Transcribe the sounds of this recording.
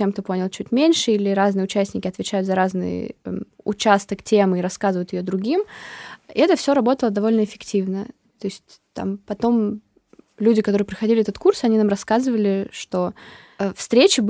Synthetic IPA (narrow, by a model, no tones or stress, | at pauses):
emk̚t̪o̞po̞nʲɪlˠt͡ɕutʲmʲenʲʂɨilʲɪɾaznɨjəʊt͡ɕæsʲnʲɪkʲɪɐt̪vʲɪt͡ɕæjʊt̪zɐɾaznɨ̰jə̰ʊ̰t͡ɕast̪əktʲemɨɪɾɐskazɨvəjʊt̪jɪjod̪ɾʊɡʲim | ɛt̪əfsʲo̞ɾɐbo̞t̪əlˠəd̪ɐvo̞lʲnəɪfʲɪktʲivnə | t̪o̞ɪsʲtʲ | t̪a̰mpɐt̪o̞m | lʲudʲɪkɐt̪o̞ɾɨɪpɾʲɪxɐdʲilʲɪɛt̪ət̪kursɐnʲinamrɐskazɨvəlʲɪʂt̪o̞ | əfst̪ɾʲet͡ɕɪb